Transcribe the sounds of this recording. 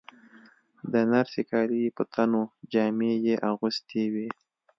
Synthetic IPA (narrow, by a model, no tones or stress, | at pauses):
d̪ənaɾsekɑɾipət̪ʰanod͡ʒɑmejeʔaɣust̪ʰewi